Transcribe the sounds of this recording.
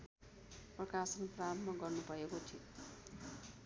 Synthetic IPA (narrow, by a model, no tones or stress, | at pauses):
prʌkasʌnpraɾʌmmaɡʌrnubʱʌekot̪ʰi